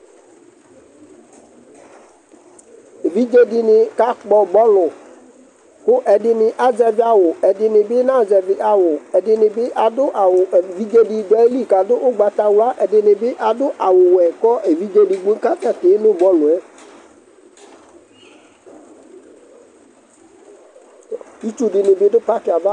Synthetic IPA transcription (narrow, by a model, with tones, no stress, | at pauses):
e˨vi˦d͡ʒe˦dɪ˦nɪ˨ka˦k͡pɔ˦bɔ˦lʊ˨ | kʊ˦ʔɛ˨dɪ˨nɪ˨ʔa˨zɛ˨vɪ˦a˨wʊ˨ɛ˨dɪ˨nɪ˨bɪ˦nã˦˨zɛ˨vɪ˦ʔa˨wʊ˨ɛ˨dɪ˨nɪ˨bɪ˦ʔa˨dʊ˦ʔa˨wʊ˨vi˦d͡ʒe˦di˧do˨a˦li˦˨ka˨dʊ˦ʔʊ˦ɡ͡ba˨t̪a˨wʊ˨la˦ʔɛ˨dɪ˨nɪ˨bɪ˦ʔa˨dʊ˦ʔa˨wʊ˨wɛ˨kɔ˦ʔe˨vi˦d͡ʒe˦di˨ɡ͡bu˦ka˦tɛ˦˨tɪ˨˦nʊ˦bɔ˦lʊ˨ɛ˦ | i˦t͡ʃu˦dɪ˨nɪ˨bɪ˦dʊ˦pa˦ti˨a˨va˦